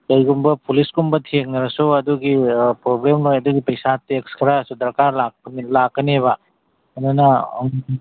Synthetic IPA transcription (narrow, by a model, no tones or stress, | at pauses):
kɐjɡumbɐpulisɡumbɐtʰeŋ̚nɐɾɐsuɐduɡipɾoblemnojɐduɡipɐjsatekskʰɾasud̪ɐɾkaɾlak̚pnilakːɐnieβɐ | mɐnanɐ